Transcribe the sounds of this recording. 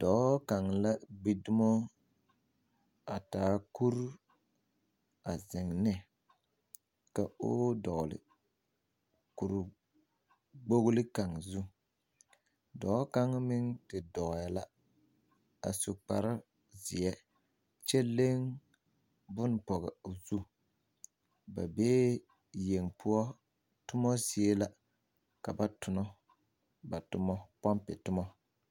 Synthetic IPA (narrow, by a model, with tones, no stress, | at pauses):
d̥ɔ˨˦ka˨ŋla˦ɡ͡bi˨dʊ˦mɔ˦ | a˨taː˨˦ku˦ɾ | a˨zɪ˨ŋnɛ˦ | ka˨o̰˦dɔ˨ɣlɪ̰˨ | ku˨ɾʊ˨ | ɡ͡bo˦ɣlɪ˦ka˨ŋzu˦ | dɔ˨˦ka˦ŋ˦mɪ˦ŋtɪ˨dɔ˨ɣa˨la˦ | a̰˨so˨k͡pa̰˨ɾa˦ | zɪ̰˨ɛ˦ | t͡ʃɛ˦le˦ŋ | bʊ˦n˨pɔ˨ɣɛ˨zu˦ | ba̰˨beː˦ | je˨ŋpʰʊ˦ɔ˦ | tʊ˦mɔ˦si˨e˦la˦ | ka˨ba˦tʊ˨nɔ˦ | ba˨tʊ˨mɔ˦pɔ˦mpɪ̰˨tʊ˦mɔ˦